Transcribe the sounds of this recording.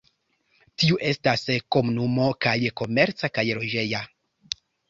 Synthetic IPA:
tiuʔe̞stasko̞munumo̞kajko̞me̞ɾt͡sakajɾo̞d͡ʒe̞ja

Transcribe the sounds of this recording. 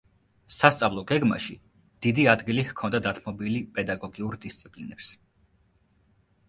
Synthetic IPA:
sast̪sʼavlˠɔɡɛɡma̰ʃi | d̪̥id̪iad̪ɡilihkʰɔnd̪ad̪at̪ʰmɔbilipʼɛd̪aɡɔɡiuɾd̪ist̪sʼipʼlinɛps

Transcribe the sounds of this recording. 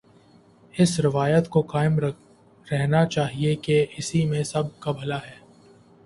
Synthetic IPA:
ɪsɾɪʋaːjət̪koqaːɪmɾ | ɾɛɦnat͡ʃaːɦiekeɪsimẽsɐb̚kabʱɐlaɦɛː

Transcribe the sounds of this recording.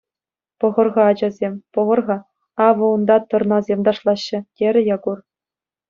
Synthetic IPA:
pɤ̆ʁɤ̆rʁɑːd͡ʑɑzʲemʲpɤ̆ʁɤ̆rʁɑ | ɑʋɤ̆und̪ɑt̪ɤ̆rnɑzʲemʲd̪ɑʂlˠɑɕːɘ̆tʲeɾʲɘ̆jɑɡur

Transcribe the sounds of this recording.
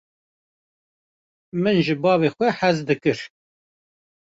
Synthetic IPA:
mɨnʒɨbɑːvexʷɛħæzd̪ɨkɨɾ

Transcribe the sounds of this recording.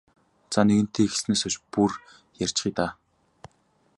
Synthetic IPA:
t͡saneɣɘ̆n̥t̪ʰeːxe̥sneːsɔt͡ɕpur | jar̥ʲt͡ɕχiːt̪aː

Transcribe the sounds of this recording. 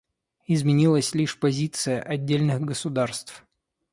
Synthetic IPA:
ɪzmʲɪnʲilˠəsʲlʲiʂpɐzʲit̪sɨjəʔɐdʲːelʲnɨxɡəsʊd̪arst̪f

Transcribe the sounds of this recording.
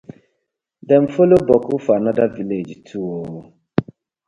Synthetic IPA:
dɛnfolobɔkufanadaviled͡ʒtʰuwo

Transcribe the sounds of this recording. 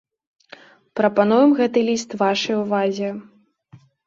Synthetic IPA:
pɾɐpan̪ujɛmɣɛt̪ɨlʲist̪vaʂɐjuvazʲɛ

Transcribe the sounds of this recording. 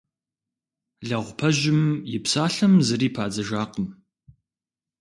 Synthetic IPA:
ɮɐʁʷpʰɐʒɪmjɪpsaːɬɐmzɨriːpʰaːd͡zɐʒaːqəm

